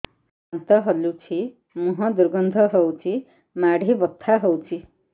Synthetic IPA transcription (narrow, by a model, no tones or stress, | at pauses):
sant̪ʌɦʌlut͡sʰi | muɦʌ̃d̪uɾɡʌnd̪ʱʌɦʌwt͡sʰi | maɽʱibʌt̪ʰːaɦowt͡sʰi